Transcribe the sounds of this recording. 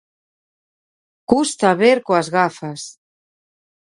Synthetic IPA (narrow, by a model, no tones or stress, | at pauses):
kust̪aβeɾkoazɣafas